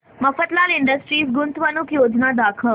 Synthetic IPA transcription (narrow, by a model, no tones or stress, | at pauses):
məfət̪lalɪɳɖəsʈɾisɡʊnt̪ʋənukjod͡ʒnad̪akʰə